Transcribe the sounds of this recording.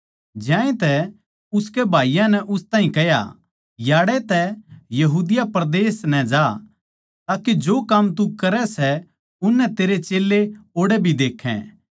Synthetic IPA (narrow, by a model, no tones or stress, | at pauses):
d͡ʒjãːẽt̪ɛ | ʊskebʱaːijãnɛʔʊst̪aːɦĩkɛja̰ | jaːɽɛt̪ɛjɐɦuːd̪ɪjapɾd̪eːsnɛd͡ʒaː | t̪aːkid͡ʒoːkɐmt̪ukɐɾɛsɛ | ʊnːɛt̪eːɾet͡ʃeːlːeoːɽɛbʱid̪eːkʰɛ̰̃